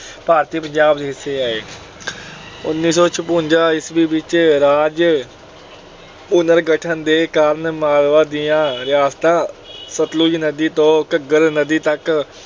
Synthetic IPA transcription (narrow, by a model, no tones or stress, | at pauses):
paːɾt̪iːpəɲd͡ʒaːb̚d̪eɦɪsːeːaːeː | ʊnːiːsɔːt͡ʃʰəpʊɲd͡ʒaːɪsbiːbɪt͡ʃɾaːd͡ʒ | ʊnəɾɡəʈʰənd̪eːkaːɾnmaːlʋaːd̪ɪjãːɾɪjaːst̪ãːsət̪luːd͡ʒnəd̪iːt̪õːkəɡəɾnəd̪iːt̪ək